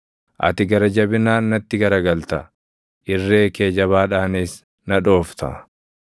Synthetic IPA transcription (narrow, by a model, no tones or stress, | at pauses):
ʔɐ̰t̪ɪɡɐɾɐd͡ʒɐbɪnaːnːɐt̪ːɪɡɐɾɐɡɐlt̪ɐ | ʔɪrːe̞ːke̞ːd͡ʒɐβaːᶑaːneːs | nɐᶑo̞ːft̪ɐ̰